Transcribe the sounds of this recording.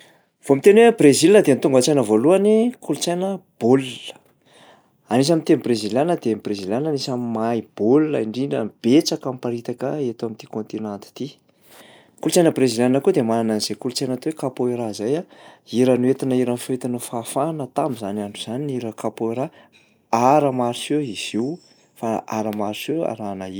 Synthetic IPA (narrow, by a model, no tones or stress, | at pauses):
v̥omit̪enwebrezilinəd̪ent̪uŋɡat͡sajnəvoluanikulut͡sajnəb̥ollə̥ | anis̬amint̪enbrezilanəd̪eembrezilʲananisammaib̥olla̰iɳɖ͡ʐinə̰b̥et͡sakampaɾit̪akəet̪amint̪i̥kont̪inant̪i̥t̪i | kulut͡sajnəbrezilanəkud̪emanananiz̥ekulut͡sajnat̪owekapoiɾazajaiɾənuet̪inəiɾanfet̪anufafanət̪amizanaɳɖ͡ʐuz̥aniniɾəkapoiɾa | aɾəmaɾisewiz̥iw | faa̰ɾəmaɾisewa̰ɾanai